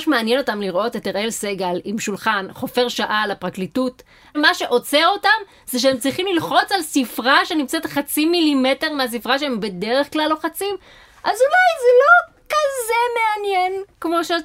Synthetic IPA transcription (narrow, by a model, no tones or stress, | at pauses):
ʃmeanjeno̞tamliʁʔo̞teteʁʔelseɡalimʃulχanχo̞fe̞ʁʃaʔalapʁaklitut | maʃe̞ʔo̞t͡seo̞tam | z̥eʃ̬eemt͡sʁiχimlilχo̞t͡salsifʁaʃe̞nimt͡setχat͡similimete̞ʁmeas̬ifʁaʃeembe̞de̞ʁe̞χklalːo̞χat͡sim | ʔazulajzelo̞ | kazemeanjenkmo̞ʃe